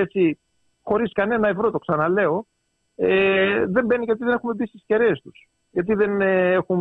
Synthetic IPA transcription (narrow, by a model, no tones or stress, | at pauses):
et͡si | xo̞ɾiskɐne̞nɐe̞vɾo̞t̪o̞ksɐnɐle̞o̞ | eðe̞mbe̞niʝɐt̪̬iðe̞ne̞xume̞bist̪isce̞ɾeːst̪us | jʝɐt̪̬iðe̞ne̞xum